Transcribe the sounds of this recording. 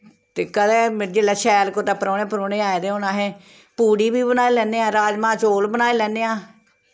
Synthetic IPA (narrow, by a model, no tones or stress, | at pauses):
t̪eːkəd̪ɛːd͡ʒeːlaːʃɛːlkoːt̪aːpəɾoːnẽːpɾoːneːaːed̪eːõːnaːɦɛː | puːɽiːbiːbənaːelɛːneːãːɾaːd͡ʒmãːt͡ʃoːlbənaːeːlɛ̃ːneːãː